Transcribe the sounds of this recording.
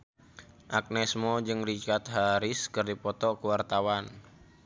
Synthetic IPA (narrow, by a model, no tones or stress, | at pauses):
ʔak̚nɛsmɔd͡ʒɨŋrit͡ʃat̪̚ɦaɾɪskɨrdipɔt̪ɔkəwart̪awan